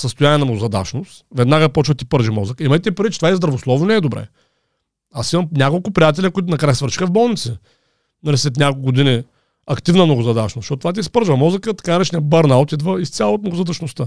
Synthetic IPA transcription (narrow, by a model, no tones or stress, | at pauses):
səst̪ʊjaniɛnɐmnoɡʊzɐd̪a̰t͡ʃnost̪vɛd̪naɡəpɔt͡ʃvət̪ipəɾʒimɔzəkəimɐjt̪ʲɛipɾivitt͡ʃɛ̥t̪vaɛzd̪ɾɐvoslˠɔvnnɛɛːd̪obɾɛ̰ | asimɐmnʲakolˠkʊpɾijat̪̬ɛlʲəkʊit̪̬ʊnɐkɾajsvəɾt͡ʃixəvbɔlˠnit̪sə | nɐlʲislɛt̪nʲakolkɡʊd̪ini | ɐkt̪ivnəmnoɡʊzɐd̪aʃnosʃɔt̪t̪vat̪̬ʲiːspəɾʒvɐmɔzəkət̪ɐ̥kanɐɾɛt͡ʃɛnɛbəɾnaot̪id̪vəist̪sʲjalˠoːt̪̚noɡʊzɐd̪ɐt͡ʃnost̪ə